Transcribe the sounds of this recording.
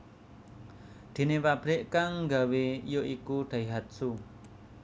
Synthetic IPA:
d̪̥e̤nepab̥ɾɪʔkaŋːɡa̤weijoʔikuɖ̪̥a̤iɦat̪̚su

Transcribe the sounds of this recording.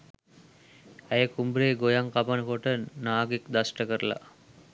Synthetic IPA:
æjəkumbɾeːɡojaŋkapanəkoʈənaːɡikd̪asʈəkəɾəla̰

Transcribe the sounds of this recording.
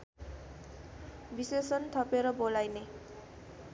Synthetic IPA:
bisesʌnt̪ʰʌpeɾʌbolajne

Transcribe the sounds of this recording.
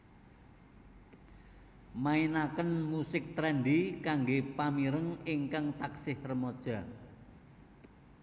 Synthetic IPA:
mainakənmusɪk̚t̪ɾɛnɖikaŋɡepamiɾəŋɪŋkaŋt̪aksɪhrəmod̥ʒ̥a̤

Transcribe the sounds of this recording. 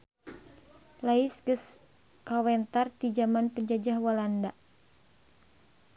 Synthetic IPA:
laisɡəs | kawɛnt̪art̪id͡ʒamanpəɲd͡ʒad͡ʒahwalandaʔ

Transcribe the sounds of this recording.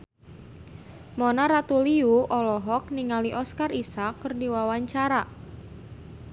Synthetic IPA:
mɔnaɾat̪uliuʔɔlɔɦɔk̚niŋaliʔɔskarisakːərdiwawaɲt͡ʃaɾa

